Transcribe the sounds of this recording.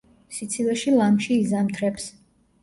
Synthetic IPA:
sit̪sʰilɛʃilamʃiːzamt̪ʰɾɛps

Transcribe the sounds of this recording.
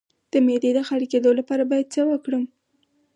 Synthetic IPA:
d̪̥əmed̪ed̪əxaɽiked̪olapɑɾabɑjad̪̚t͡səwəkɽəm

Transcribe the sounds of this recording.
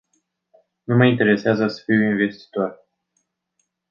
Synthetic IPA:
numəint̪e̞ɾe̞seazəsə̥fiwinve̞st̪i̥t̪or

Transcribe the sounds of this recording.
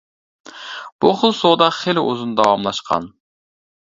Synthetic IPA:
b̥uχʊlˠsod̪ɑχelɪʔozunɨd̪ɑwɑmlˠɑʃqʰɑ̰n

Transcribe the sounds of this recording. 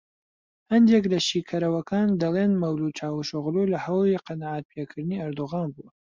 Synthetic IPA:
hɐnd̪eklɐʃiːkʰɐɾɐwɐkʰaːnd̪ɐlenmɐwlut͡ʃʰaːwuʃʊɣlulɐhɐwiqɑnaʕat̪̚pʰjekʰɨɾd̪ɨniɐɾd̪oɣaːnbu

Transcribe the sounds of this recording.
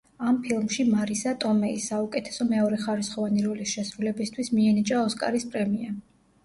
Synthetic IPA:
ampʰilˠmʃimaɾisat̪ʼɔmɛisːaukʼɛt̪ʰɛ̥sɔmɛɔɾɛχaɾisχɔvaniɾɔlisʃɛsɾulɛbist̪ʰwismiɛnit͡ʃʼaɔskʼa̰ɾispʼɾɛmia

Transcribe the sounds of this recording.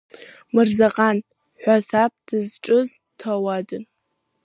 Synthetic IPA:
mɨrzaqʼan | ħʷasap̚d̥ɨzʈ͡ʂʼɨz | tʰɐwadɨn

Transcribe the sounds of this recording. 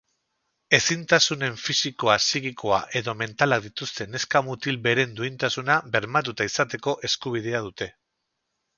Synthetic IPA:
e̞sint̪asune̞ɱfisiko̞asiɣiko̞a̰ʔe̞ðo̞me̞nt̪alaðit̪ust̪e̞ne̞skamut̪ilbe̞ɾe̞nd̪uint̪asunaβe̞ɾmat̪̬ut̪aisat̪e̞ko̞ʔe̞skuβ̞ið̞e̞aðut̪e̞

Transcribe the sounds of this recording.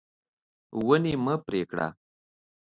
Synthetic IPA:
wəniməpɾeːkɽa̰

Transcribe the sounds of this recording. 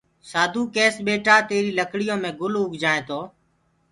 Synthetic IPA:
saːd̪ʱuːkeːsɓeːʈaːt̪eːɾiːləkɽɪjõːmẽːɡʊlʊɡʱd͡ʒaːẽːt̪ʰoː

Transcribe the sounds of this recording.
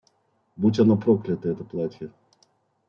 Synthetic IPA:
butʲanopɾoklʲɪt̪əɛt̪əplˠatʲjə

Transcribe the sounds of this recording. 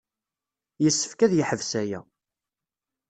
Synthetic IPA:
jəsːə̥fkæðjiħəvsæjæ̰

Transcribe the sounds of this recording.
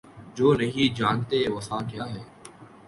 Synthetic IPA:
d͡ʒoːnəɦĩːd͡ʒaːnt̪eːʋəsãːɡɪjaːɦeː

